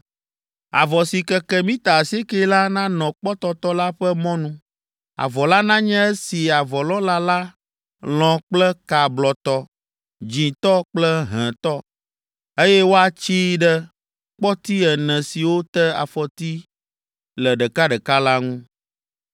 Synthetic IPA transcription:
a̰˨vɔ˨si˨kɛ˨kɛ˦mĩ˦t̪a˨se˦ke˦la˦nã˦nɔ̃˨k͡pɔ˦t̪ɔ˦t̪ɔ˦la˦ɸɛ˦mɔ̃˦nũ˦ | a̰˨vɔ˨la˦nã˦ɲɛ̃˦ɛ˦si˨a˨vɔ˨lɔ̃˦la˦la˦ | l̃ɔ̃˨k͡plɛ˦ka˨blɔ˨t̪ɔ˦ | d͡ʑĩ˨t̪ɔ˦k͡plɛ˦ɦɛ̃˨t̪ɔ˦ | e˦jɛ˦wo˦a˨t͡ɕi˦ɖɛ˦ | k͡pɔ˦t̪i˦ɛ˨nɛ̃˨si˨wo˦t̪ɛ˦a̰˨fɔ˨t̪i˦ | lɛ˨ɖə˨ka˦ɖɛ˨ka˦la˦ŋũ˦

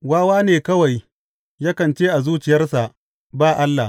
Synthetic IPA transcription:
waː˦waː˦neː˨kɐ˦wa˨j | jaː˦kɐ˨nt͡ʃeː˦ʔa˨zuː˦t͡ʃɪ˨jɐ˦rsa˨ʔ | baː˦˨ʔa˦lːa˨

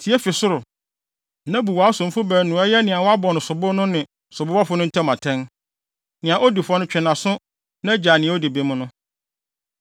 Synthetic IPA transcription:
tʰi˨ɛ˦fɪ˨sʊ˦ɾʊ˨ | nã˦bu˨waː˨˦sʊ̃˨m˦fʊ˦bæː˨nʊ̃˨ɛ˦jɛ˦nɪ̃˨a˨wɔ˦a˦bɔ˨nʊ̃˨sʊ˨bʊ˦nʊ̃˦nɪ̃˨ | sʊ˨bʊ˦wa˦fʊ˦nʊ̃˦tʰɛ˦mã˨tʰɛ̃˦n | nɪ̃˨ã˨ʔɔ˦di˨fɔ˦nʊ̃˦t͡ɕᶣɪ˨nã˨sʊ̃˦ | nã˦d͡ʑaː˨nɪ̃˨ɛ̃˨˦ɔ˦di˨be˨˦mʊ̃˦nʊ̃˦

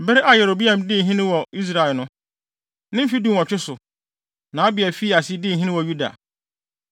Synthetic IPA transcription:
bɛ˦ɾɪ˦ʔa˨jɛ˨ɾo˨bi˦ã˨mdɪ˦˨ɦĩ˦nɪ̃˦wɔ˨i˦s̬ɾa˨ɛ˨lnʊ̃˦ | nɪ̃˦m̩˦fi˦dũ˦˨wɔ̃˨t͡ɕᶣʰɪ˦sʊ˨ | nãː˨a˦bɪ˨ɛ˨fi˦a˨si˦dɪ̃˦˨ɦĩ˦nɪ̃˦wɔ˨ju˦da̰˨

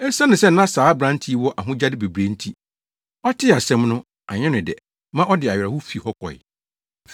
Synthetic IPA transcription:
ɛ˦ɾsã˦nʊ̃˨sɛ˦n̩˦nã˦saː˨˦bɾã˦ntʰi˦wɔ˦ʔa˨ɦʊ̃˦d͡ʑa˦dɪ˦be˨bɾe˨n̩˦tʰi˦ | ɔ˦tʰɪ˦˨a˨sɛ̃˦mnʊ̃˦ | a˨ɲɛ̃˦nʊ̃˨dɛ̰˨ | mã˦ʔɔ˦dɪ˨a˨ɥɛ˨ɾa˨hʊ˦fi˨hɔ˦kɔ̰˨ɪ̰˨

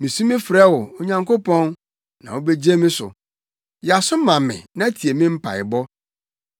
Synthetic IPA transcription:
mĩ˨sũ˦mɪ̃˦fɾɛ˦wɔ˨o˨ɲã˨ŋkʰo˦pɔ̃˦n | nã̰˨wo˦be˦d͡ʑe˦mɪ̃˦sʊ̰˨ | ja˨sʊ˦mã˨mɪ̰̃˨nã˦tʰi˨e˨mɪ̃˦m̩˦pʰa̰˨ɪ˨bɔ˦

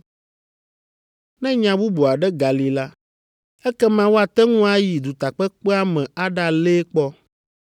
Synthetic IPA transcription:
nɛ̃˦ɲã˨bu˦bo˨a˨ɖɛ˦ɡa˨li˨la˦ | ɛ˦kɛ˦mã˨wo˦a˨t̪ɛ˦ŋũ˦a˦ji˨d̪u˨t̪a˨k͡pɛ˦k͡pɛ˦a˦mɛ̃˨a˦ɖa˦le˦k͡pɔ˦

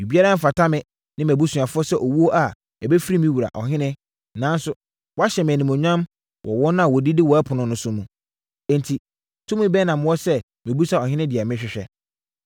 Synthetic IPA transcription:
ju˨bi˦a˦ɾã˦m˦fa˨tʰa˦mɪ̃˦˨ | nɪ̃˦mæ̃˨bu˦su˨a˨fʊ˦ɔ˦sɛ˦ʔɔ˨wu˦o˦ʔa˨ | ɛ˨bɛ˦fi˦ɾi˦mĩ˦wu˨ɾa̰˨ʔɔ̰˨ɦɪ̃˦nɪ̃˦ | nã˨˦n˦sʊ˦ | wɔ˦a˦ɕɛ˨m˨ɛ̃˨nĩ˨mɔ̃˨ɲᶣ˦ã˦m | wʔɔ̰˨wɔ˦nʊ̃˦a˨wɔ˨di˦dɪ˦wɔ˨a˦pʰʊ˨nʊ̃˨nʊ̃˨˦sʊ˦nũ˨ | ɛ̃˨ntʰi˨ | tʰũ˦mĩ˦bɛ˦nã˨m˦wɔ˦sɛ˦ | mɪ̃˨bu˦sa˦˨ɔ˨ɦɪ̃˦nɪ̃˦dɪ˨a˨mɪ̃˦ɕᶣɪ˨ɕᶣɛ̰˦

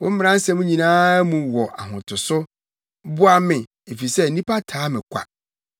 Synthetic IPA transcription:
wʊ̃˦m̩˦m˦ã˦n˦sɛ̃˦mũ˦ɲĩ˨nãː˦mũ˨wɔ˨ʔa̰˨ɦʊ̰̃˨tʰʊ˨sʊ˦ | bʊ˦a˦mɪ̃˨ | e˨fi˨sɛ˦˨nĩ˦pʰa˦tʰaː˨˦mɪ̃˨kʷʰa̰˨

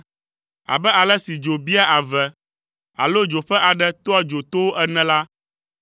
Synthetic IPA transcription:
a̰˨bɛ˦a˨lɛ˦si˨d͡ʒo˨bi˦a˦ʔa˨vɛ˨ | a̰˨lo˦d͡ʒo˨ɸɛ˦ʔa˨ɖɛ˦t̪ɔ˦a˦d͡ʒo˨t̪o˦wo˦ʔɛ˦nɛ̃˨la˦

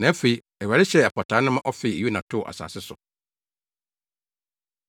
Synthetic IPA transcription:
nã˨æ˦fe˨i˦ | ɛ˨wɛ˨ɾɪ˦ɕɛ˦ɛ˨pʰɔ˨tʰa˨˦nʊ̃˦mã˦ʔɔ˦fɪ˨e˨u˦nã˨tʰʊ˦˨ʔa̰˨sa̰˨sɪ˦sʊ̰˨

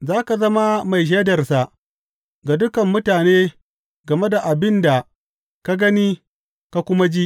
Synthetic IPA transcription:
zaː˦ka˨zɐ˦ma˦ma˨jʃ̬eː˦dɐ˨rsa˨ʔ | ɡa˨dʊ˦kɐ˨mːʊ˦taː˨neː˦ | ɡɐ˨me˦da˨ʔa˨bɪ˦nda˨ | ka˦ɡɐ˦ni˦ | ka˦kʷʊ˦ma˦d͡ʒi˦ʔ

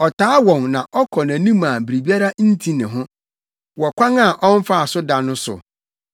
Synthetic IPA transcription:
ɔ˨tʰaː˦wɔ̃˨ŋnã˨ʔɔ˦kʰɔ˨nã˨nĩ˦mã˨bi˨ɾi˨bi˦a˦ɾa˦n̩˦tʰĩ˦nɪ̃˨ɦʊ̃˦ | wɔ˨kʷʰã˦ŋa˦˨ʔɔ̃˦n˦fa˦a˨sʊ˦da˨nʊ̃˦sʊ̰˨

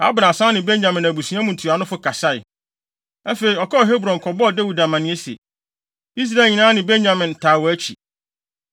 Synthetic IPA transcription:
a̰˨˦bɾã˨sã˦nɪ̃˨bẽ˦nɲã˨mɪ̃˨næ˨bu˨sĩ˨˦ã˦mũ˨n˨tʰu˨a˨nʊ̃˦fʊ˦kʰa˨sa˦ɪ˨ | æ˦fe˨ɾi˨ɔ˨kʰɔ˦˨ɦe˦bɾɔ̃˨nkʰɔ˨bɔ˦ɔ˨dæ˦wu˨da˨mã˨nɪ̃˦e˦sḛ˨ | i˦s̬ɾa˨ɲĩ˨nã˦nɪ̃˨bẽ˦nɲã˨mɪ̃˨n˨tʰaː˨wɔ˨æ˦t͡ɕʰḭ˨

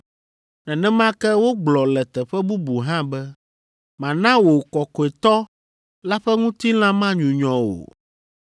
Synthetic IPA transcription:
nɛ̃˨nɛ̃˦mã˦kɛ˦wo˦ɡ͡blɔ˨lɛ˨t̪ɛ˨ɸɛ˦bu˦bu˨ɦã˦bɛ˦ | mã˨nã˦wo˨kɔ˨kɔ˨e˨t̪ɔ˦ | la˦ɸɛ˦ŋũ˦t̪i˦l̃ã˦mã˦ɲũ˨ɲɔ̃˨o̰˨

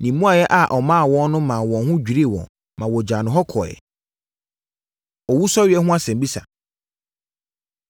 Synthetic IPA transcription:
nĩ˨mũ˦a˨jɛ˦ʔa˨ʔɔ˨mã˦˨wɔ̃˦nʊ̃˦mã˨wɔ̃˨nhʊ̃˦d͡ʑᶣi˨ɾi˦˨wɔ̰̃˨n | mã˨wɔ˨d͡ʑa˨nʊ̃˨ɦɔ˦kʰɔ̰˨jɛ̰˨ | ɔ˨wu˦sɔ˦ɥɪ˨ɛ˦ɦʊ̃˦a˦sɛ̃˨mbi˦sa̰˨

